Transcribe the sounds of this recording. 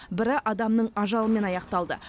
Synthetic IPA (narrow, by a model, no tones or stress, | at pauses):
bɪɾɪʔɑd̪ɑmnəɴɑʒɑlˠəme̞nɑjɑqt̪ɑlˠd̪ə̰